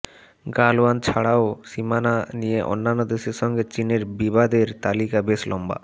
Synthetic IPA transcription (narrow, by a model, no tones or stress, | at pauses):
ɡaloant͡ɕʰaɽaosimananijeʔo̰nːanːod̪eʃeɾʃɔŋɡet͡ɕineɾbibad̪eɾt̪alikabeslʔɔmba̰